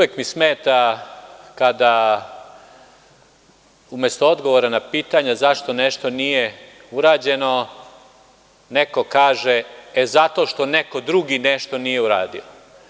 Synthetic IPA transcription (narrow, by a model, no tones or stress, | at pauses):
ujekmismeːt̪a | kad̪a | umest̪oo̞d̪ɡo̞ʋoɾanapiːt̪aɲazaʃt̪o̞neʃt̪o̞nije | uɾaːd͡ʑe̞no̞ | neko̞kaːʒeezat̪o̞ʃt̪o̞neko̞d̪ɾuɡineʃt̪o̞nije̞uɾa̰ːd̪ḭo